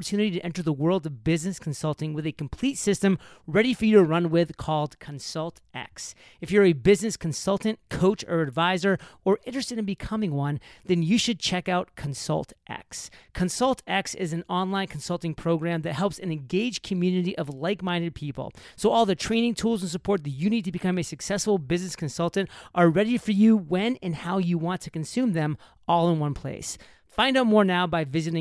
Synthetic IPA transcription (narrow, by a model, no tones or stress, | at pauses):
ə˞tʰʉnɨɾiɾɨʔɛ̃ntə˞ðəwɜ˞lˠdʌvbɪznɨskʰn̩sʌlˠtɪ̃ŋwɨðɨkʰm̩pʰl̥itsɪstɨ̃m | ɹɛɾifə˞jɨɾɨɹʌ̃nwɪð̥kʰɔlˠd̚kʰɨ̃nsʌlˠtʔæ̰ks | ɨfjə˞ɨbɪznɨskʰn̩sʌlˠtɨ̃n̩kʰoʊt͡ʃə˞ɨdvaɪzə˞ə˞ʔɪ̃nt͡ʃɹ̥ɨstɨ̃ɾɨ̃nbɨkʰʌmɪ̃ŋwʌ̃nðɨ̃njɨʃɨd̚t͡ʃʰɛkaʊt̚kʰɨ̃n̩sʌ̰lˠtʔæ̰kskʰɨ̃nsʌlˠtʰɛksɪz̃n̩ɑ̃nlãɪ̃nkʰn̩sʌlˠtɪ̃ŋpʰɹ̥oʊɡɹæ̃mðɨt̚hɛlˠpsɨ̃nɨ̃nɡeɪd̥ʒ̥kʰɨmjʉnɨɾiʔʌvlaɪk̚mãɪ̃ndɨd̚pʰipl̩ˠsoʊɔlˠðɨtʰɹ̥ẽɪ̃ñɪ̃ŋtʰulˠzə̃n̩s̬əpʰɔɹt̪̚ðɨt͡ʃɨnid̚tɨbɨkʰʌ̃mɨsɨksɛsfl̩ˠbɪznɨskʰɨ̃n̩sʌlˠtntʔə˞ɹɛɾifə˞jɨwɨ̃nɨ̃nhaʊjɨwɑ̃ntʰɨknsʉ̃mðɨ̃m | ɔlˠə̃nwʌ̃npʰl̥ḛɪs | fãɪ̃ndaʊ̃mɔɹnaʊbaɪvɪzɨɾɪ̃